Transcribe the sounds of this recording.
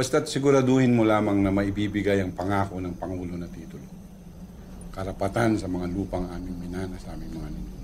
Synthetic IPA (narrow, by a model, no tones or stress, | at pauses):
b̥ɐst̪at̪̚sɪɡʊɾɐd̪oːhɪnmolaːmɐŋnɐmɐʔɪbiːbɪɡajɐŋpɐŋaːko̞nɐŋpɐŋuːlo̞nɐt̪iːt̪olo | kɐɾɐpɐt̪ansɐmɐŋaluːpɐŋʔaːmɪŋmɪnaːnɐsɐʔaːmɪŋmɐŋanɪɲo